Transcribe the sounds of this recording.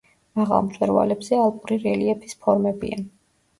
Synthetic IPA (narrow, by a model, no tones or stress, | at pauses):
maʁa̰lˠmt̪ʼɛɾva̰lɛbzɛalˠpʼuɾiɾɛliɛpʰi̥spʰɔɾmɛbḭan